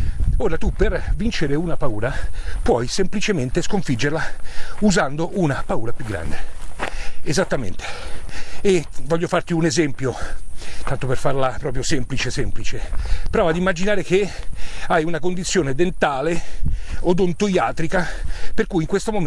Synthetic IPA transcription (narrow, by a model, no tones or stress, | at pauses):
oːɾat̪upːervint͡ʃeɾeunapauːɾapwɔjsemplit͡ʃement̪eskoɱfid͡ʒːerlauzand̪oʔunapauːɾapjuɡːɾa̰nd̪e | ezat̪ːamḛnt̪e̥ː | vɔʎːofart̪iunezɛmpjot̪ant̪operfarlapɾɔːpɾjosɛmplit͡ʃesɛmplit͡ʃepɾɔːvad̪imːad͡ʒinaːɾeke | ajunakond̪it̪sːjoːned̪ent̪aːle | od̪ont̪ojaːt̪ɾikaperkujiŋkwest̪omom